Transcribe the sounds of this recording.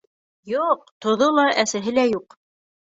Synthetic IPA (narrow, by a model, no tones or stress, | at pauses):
juq̚t̪ŏðolˠɑʔæsæɦɘlæjuq